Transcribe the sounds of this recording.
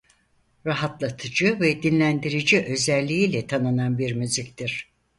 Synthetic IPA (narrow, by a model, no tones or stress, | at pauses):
ɾaɦat̪lˠat̪ʰɯd͡ʒɯvɛd̪inlʲænd̪iɾid͡ʒiʔø̞zælʲːiiːlʲɛt̪ʰanɯnanbiɾmyzict̪iɾ̥